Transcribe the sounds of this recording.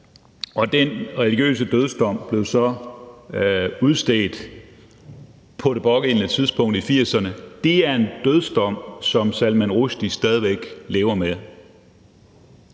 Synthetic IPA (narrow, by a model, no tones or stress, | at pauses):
ʔɒ̽d̥enʁɛliɡ̥jø̰ːs̬əd̥øð̞ˠsd̥ɒ̽m̰b̥le̝ʊsɒ̽ | uðˠsd̥eːd̥ | pʰɒ̽ɾ̥e̝b̥ɒ̽ɡ̥e̝nnət͡sʰið̞ˠsb̥ɔ̽ŋ̰d̥ifiɐ̰sɐnəd̥e̝æɐe̝nd̥øðˠsd̥ɒ̽m̰sɒ̽msælmænʁuɕd̥isd̥ɛːð̞ˠiʋeɡ̥le̝ːʊɐme